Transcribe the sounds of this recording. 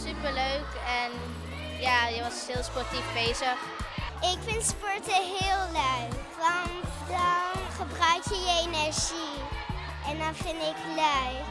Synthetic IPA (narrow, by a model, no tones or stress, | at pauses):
sypəɹløɥkɛn | jaːjəʋɑshɪːlˠspɔɹtifbejzəχ | ɪkfɪntspɔɹtəɦɪːlˠløɥʋɑntdɑnχəbrœɥkjəjəenɛɹʒ̥i | ʔɛndɑnfɪndɪkløɥ